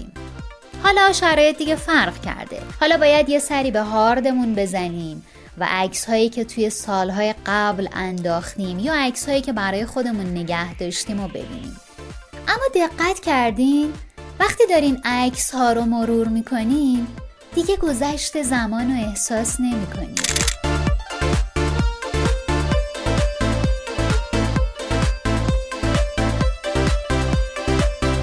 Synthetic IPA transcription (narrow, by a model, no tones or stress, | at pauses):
ḭːm | hɒːlɒʃæɾɒːjed̪iɟefæɾʁcʰæ̰ɾd̪e̞̰hɒːlɒːbɒːjæd̪je̞sæɾiːbe̞ɦɒːɾd̪e̞munbe̞zæniːm | væ̰ʔæcshɒːjiːcʰe̞t̪ʰuje̞sɒːlɦɒːje̞ɢæblæ̰nd̪ɒːxt̪iːmjɒːæcshɒːjiːcʰe̞bæɾɒːje̞xo̞d̪e̞munːe̞ɟæhd̪ɒːʃt̪iːmo̞be̞̰bḭːnḭːm | ʔæmːɒːd̪e̞ɢːæt̪ʰcʰæɾd̪iːmvæxt̪iːd̪ɒːɾimæcʰshɒːɾo̞mo̞ɾuːɾmiːkʰo̞niːm | d̪̥iɟe̞ɡo̞zæʃt̪e̞zæmɒːno̞e̞hsɒːsne̞miːkʰo̞nḭ